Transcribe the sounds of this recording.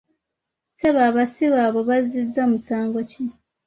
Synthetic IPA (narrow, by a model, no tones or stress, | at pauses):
seβaβasiβaβo̞βazizːamusaːŋɡo̞cino